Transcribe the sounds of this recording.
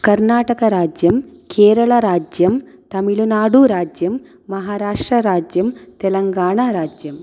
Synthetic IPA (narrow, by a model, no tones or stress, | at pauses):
kɐɾnaːʈɐkɐɾaːd͡ʒjɐmkeːɾɐɭɐɾaːd͡ʒjɐmt̪ɐmiɭunaːɽuɾaːd͡ʒjɐmː | ɐɦaːɾaːʂʈɾɐɾaːd͡ʒjɐmt̪ɛlɐŋɡaːɳaɾaːd͡ʒjɐm